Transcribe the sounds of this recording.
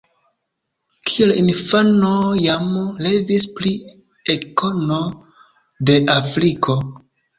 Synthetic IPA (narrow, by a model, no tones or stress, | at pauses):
kʰielinfanojamle̞vispli | eko̞no̞ | de̞ʔafɾikʰo̞